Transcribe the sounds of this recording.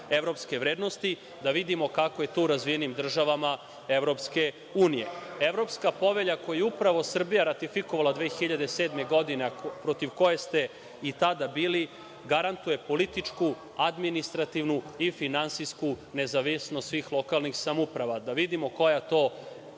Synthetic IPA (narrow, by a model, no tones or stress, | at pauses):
e̞ʋɾo̞pske̞ʋɾeːd̪no̞st̪i | d̪aʋid̪imo̞kako̞je̞t̪uːɾazʋijenimd̪r̩ʒaʋama | e̞ʋɾo̞pske̞ | uːnije̞̰eʋɾo̞pskapo̞ʋe̞ʎakojujeupɾaʋo̞sr̩bijaɾat̪ifikoʋalˠad̪ʋeːxiʎad̪eseːd̪me̞ɡo̞d̪ine̞pɾot̪iʋko̞je̞st̪e̞ | it̪ad̪abiːli | ɡaɾant̪uje̞po̞lit̪it͡ʂku | ad̪minist̪ɾat̪iʋnuifinansijskune̞zaʋisnost̪sʋiːxlˠo̞kalˠnixsamupɾaʋad̪aʋid̪imo̞ko̞jat̪o̞